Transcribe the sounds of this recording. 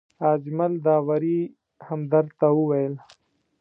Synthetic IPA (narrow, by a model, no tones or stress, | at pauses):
aːd͡ʒmɐld̪aːwɐɾi | hɐmd̪ɐɾt̪auwɐjel